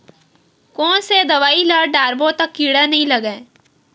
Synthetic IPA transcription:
kɔ̃ːnsed̪ɐʋaːilɐɽɖaːɾbõt̪ɐkːiːɽanɐɦĩlɐɡẽː

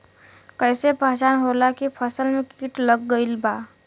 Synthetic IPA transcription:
kəɪsepəɦt͡ʃaːnɦolakipʰəsəlmẽkiːʈləɡːəɪlbaː

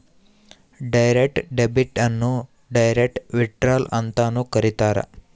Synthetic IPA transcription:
ɖajɾek̚ʈɖebiʈanːũ | ɖajɾek̚ʈʋiʈɾalə̰nt̪anũkəɾit̪aɾa̰

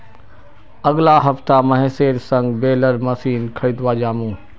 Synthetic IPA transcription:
ɐɠlaɦɐft̪amɐɦɛ̃seːɾsɐ̃ŋɡbeːləɾmɐsiːnkʰɐid̪ʋaːd͡ʑaːmũː

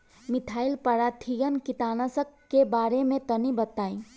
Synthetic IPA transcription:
mit̪ʰailpəɽat̪ʰiɡənkit̪anəsəkːebaɾemẽt̪ənibət̪aĩ

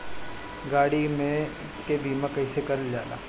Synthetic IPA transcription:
ɡaːɽimẽ | kebiːmãkɐɪsekɐɾəld͡ʒaːla̰ː

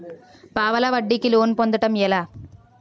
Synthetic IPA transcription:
paːʋɐlɐʋɐɖːikːiloːnpond̪ɯʈːɐmjɛlaː

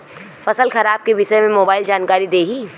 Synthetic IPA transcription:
fɐsəlxɐɾaːb̚kebɪsemẽmoːbaːɪld͡ʒaːnkaːɾid̪eːɡiː

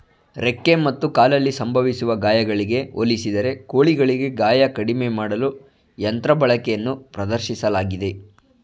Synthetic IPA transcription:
ɾekːemɐt̪ːukaːlɐlːisɐmbʱɐʋisuʋɐɡaːjɐɡɐɭiɡe̞olisid̪ɐɾe̞koːɭiɡɐɭiɡe̞ɡaːjɐkɐɽimemaːɽɐlu | jɐnt̪ɾɐbɐɭɐkɛjɐnːupɾɐd̪ɐɾʃisɐlaːɡid̪e̞

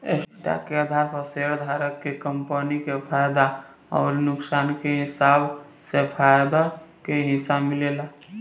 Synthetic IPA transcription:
ḛsʈa̰keəd̪ʱaɾpʰəseɾd̪ʱaɾəkːekəmpənikepʰajd̪a | ɔ̰ːɾnuksankeɦisab | sepʰajd̪akeɦisamilela

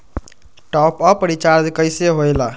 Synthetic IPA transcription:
ʈɔpəpəɾit͡ʃaɾdkəjseɦojla

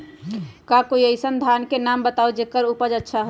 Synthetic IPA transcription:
kakoiəɪsənd̪ʱankenambət̪aud͡ʒekəɾupəd͡ʒətːʃʰaɦo

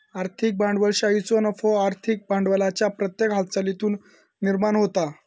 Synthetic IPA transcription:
aɾt̪ʰik̚bãɳɖʋəlɕait͡sɔnəfɔaɾt̪ʰik̚baɳɖʋəlat͡ɕjapɾət̪jekɦat̪̚ʰt͡salit̪uːnː | iɾmanɦot̪a

